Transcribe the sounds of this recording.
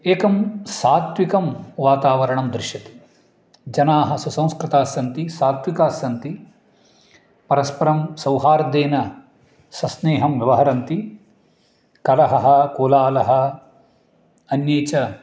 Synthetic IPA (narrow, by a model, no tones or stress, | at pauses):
eːkɐmsaːt̪ʋikɐmʋaːt̪aːʋɐɾɐɳɐmd̪ɾuʃjɐt̪i̥ | d͡ʒɐnaːɦɐsusɐ̃w̃skɾɪt̪aːsjɐnt̪isaːt̪ʋikaːsjɐnt̪i | pɐɾɐspɐɾɐmsɐwɦaːɾɐd̪eːnɐ | sɐsneːɦɐmʋjɐʋɐɦɐɾɐnt̪i | kɐlɐɦɐɦɐkuːlaːlɐɦɐ̆ | ɐnjeːt͡ʃɐ